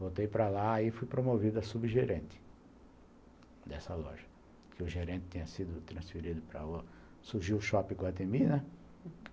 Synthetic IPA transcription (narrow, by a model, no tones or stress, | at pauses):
vowt̪ejpɾɐlaaifujpɾomovid̪ɐsubɪʒeɾẽnt̪ɪ̥ | d̪ɛsɐlɔ̰ʒɐ̥ | kɪʊʒeɾẽt̪ɪ̥t̪ːẽɲɐsid̪ʊt̪ɾɐ̃sfiɾid̪ʊpɾɐ̰ | suɾʒiwʊʃɔpĩkwɐt̪eminɛ